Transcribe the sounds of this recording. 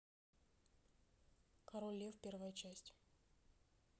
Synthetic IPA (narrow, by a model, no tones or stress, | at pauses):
kɐɾolʲːefpʲervəjət͡ɕæsʲtʲ